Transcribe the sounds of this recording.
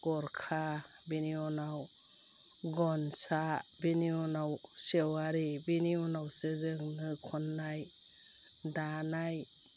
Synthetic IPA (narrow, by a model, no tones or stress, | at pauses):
ɡ̥ɔɾkʰa | biniɔnaw | ɡɔnsabiniɔnawsewaɾibiniɔnawsezɯŋnɯkʰɔnːaj | danaj